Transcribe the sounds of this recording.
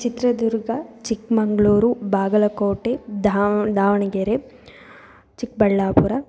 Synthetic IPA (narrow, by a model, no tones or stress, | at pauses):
t͡ʃit̪ɾɐd̪uɾɡɐt͡ʃikmɐŋɡɭoːɾubaːɡɐlɐkoːʈed̪ad̪aːʋɐɳɐɡeɾe | t͡ʃik̚bɐɭːaːpuɾɐ